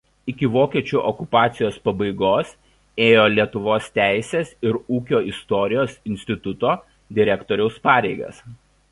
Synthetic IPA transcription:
ɪkʲɪʋoːkʲiɛt͡ʃʲuːʔɔkʊpɑːt̪sʲɪjoːspɐbɐɪɡoːs | eːjoːlʲiɛt̪ʊʋoːst̪ʲæˑɪsʲeːsɪɾuːkʲoːɪst̪ɔɾʲɪjoːsɪnʲsʲt̪ʲɪt̪ʊt̪oː | d̪ʲɪɾʲɛkt̪ɔːɾʲɛʊspɑːɾʲɛɪɡɐ̰s

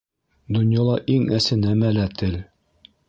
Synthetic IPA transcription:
d̪ŏnjɑlˠɑʔiŋæsɘnæmælæt̪ʰɘl

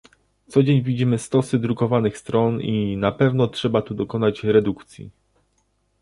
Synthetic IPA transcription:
t̪sɔd͡ʑeɲvʲid͡ʑimɘst̪ɔsɘd̪ɾukɔvanɘxst̪ɾɔninapɛvnɔtʂɛbat̪ud̪ɔkɔnat͡ɕɾɛd̪ukt̪sʲjḭ

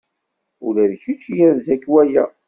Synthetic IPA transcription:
ʊlæðçit͡ʃːjænzækːwæjæ

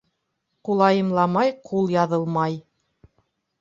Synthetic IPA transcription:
qulˠɑjɤ̆mlˠɑmɑjqʰulˠjɑðɤlˠmɑj

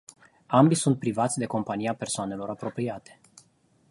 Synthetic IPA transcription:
ambisunt̪̚pɾivat̪sʲd̪e̞ko̞mpanijape̞rsoane̞lo̞ɾapɾo̞pɾiat̪e̥

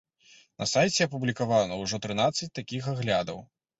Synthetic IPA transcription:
nɐsajt͡sʲɛɐp̬ublʲikavanɐwʐɔt̪ɾɨnat̪sːɐt͡sʲt̪akʲixaɣlʲad̪ɐw

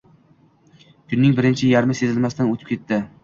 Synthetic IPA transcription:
kʲʰʊnːɪŋbɪɾɪnt͡ʃʰɪjaɾmɪse̞zɪlmast̪anɵt̪ʰɪ̥p̚kʲet̪ʰːɪ

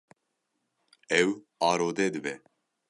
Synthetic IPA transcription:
ɛw | ɑːɾoːd̪ɛːd̪ɨbɛ

